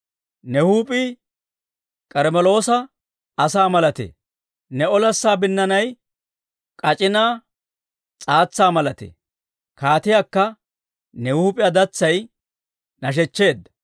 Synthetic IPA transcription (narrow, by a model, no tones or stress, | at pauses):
nɛhuːpʼi | kʼɛɾmɛlo̞ːsɐ | ɐsaːmɐlɐt̪ḛː | nɛɔlɐsːaːbɪnːɐnɐj | kʼɐt͡ʃʼɪnaː | t͡sʼaːt͡sːaːmɐlɐt̪ḛː | kaːt̪ɪjaːkːɐ | nɛhuːpʼɪjɐd̪ɐt͡sːɐj | nɐʃ̬ɛt͡ʃːe̞ːd̪ːɐ̥